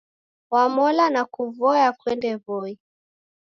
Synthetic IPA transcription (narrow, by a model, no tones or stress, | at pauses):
wamɔlanakuvɔjakwɛndɛvɔi